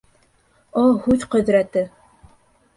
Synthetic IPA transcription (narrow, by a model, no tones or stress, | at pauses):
ohʉðqɵ̆ðɾæt̪ɘ